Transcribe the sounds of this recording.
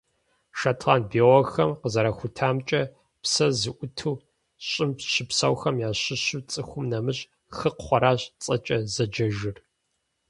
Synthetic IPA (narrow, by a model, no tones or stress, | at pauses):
ʃatʰlaːnbeːʁɔxɐmqəzɐɾɐxʷʊtʰaːmt͡ʃʼɐ | psɐzɨʔʷʊtʰuː | ɕʼɪmpɕɪpsɐwxɐmjaːɕɪɕɨt͡sʼɨxʷʊmnɐmɨɕʼ | xɨqχʷɔɾaːɕʼt͡sʼɐt͡ʃʼɐzɐd͡ʒɐʒɪr